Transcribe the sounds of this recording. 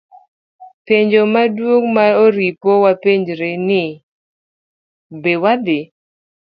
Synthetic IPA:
peɲd͡ʒomadwoŋmaoɾipowapeɲd͡ʒɾenɪ | bewad̪ɪ

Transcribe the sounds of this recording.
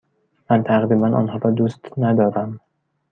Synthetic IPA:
mant̪ʰaʁɾimanʔɒ̰nhɒɾɒd̪ust̪nad̪ɒɾam

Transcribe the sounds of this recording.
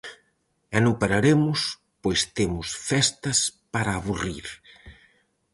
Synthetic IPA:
ɛnupaɾaɾemʊs | pojst̪emʊsfɛst̪ɐspaɾɐːβuriɾ

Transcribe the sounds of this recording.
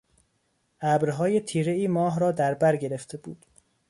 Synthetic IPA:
ʔæbɾɦɒːje̞t̪ʰiːɾe̞iːmɒːɦɾɒːd̪æɾbæɾɟe̞ɾe̞ft̪ʰe̞bṵːd̪̥

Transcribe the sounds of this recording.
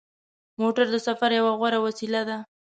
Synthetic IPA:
moʈaɾd̪əsafaɾjawaɣwaɾawasilad̪a

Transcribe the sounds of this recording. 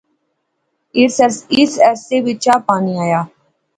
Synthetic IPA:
ɪɾsɛɾsɪsɛseːʋɪt͡ʃaːpaːniaːjaː

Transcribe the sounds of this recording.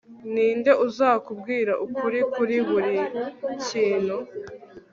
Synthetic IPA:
niːnde̞ʔuzaːkub̚ɡiːɾaʔukuɾikuɾiβuɾiciːnhu

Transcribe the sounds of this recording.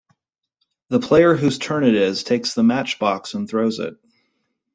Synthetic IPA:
ðəpʰl̥eɪə˞ɦʉz̥tʰɜ̃˞nɨɾɪz̥tʰeɪksðəmæt͡ʃb̥ɑksə̃nθɹoʊzɪ̰t̚

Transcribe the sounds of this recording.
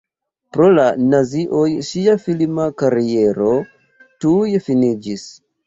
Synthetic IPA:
pɾolanaziʔojʃiafilmakaɾieɾo | tujfinid͡ʒis

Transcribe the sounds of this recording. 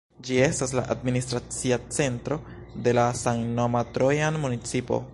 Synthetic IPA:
d͡ʒie̞stas̬la̰ʔadministɾat͡siat͡se̞ntɾo̞ | de̞lasaŋnomatɾojanmunit͡sipo̰

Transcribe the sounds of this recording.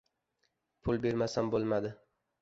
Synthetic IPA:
pʰʊlˠbe̞ɾmasanbolˠmad̪ɪ

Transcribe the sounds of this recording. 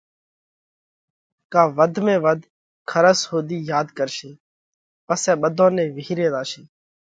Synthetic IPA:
kaːʋəd̪ʱmẽːʋəd̪ʱ | kʰəɾəshoːd̪iːjaːd̪kəɾʃeː | pəsɛːɓəd̪ʱõːnẽːʋiːɾeːd̪aːʃeː

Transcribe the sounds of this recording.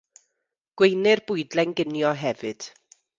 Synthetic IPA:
ɡ̥wejnɨrbʊɨdlɛŋɡɪnjɔɦɛvɨd̥

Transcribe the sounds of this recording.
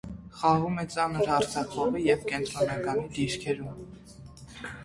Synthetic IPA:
χɑʁumɛt͡sɑnəɾhɑɾt͡sʰɑkvɔʁəjɛvkɛnt̪ɾɔnɑkɑnid̪iɾkʰɛɾum

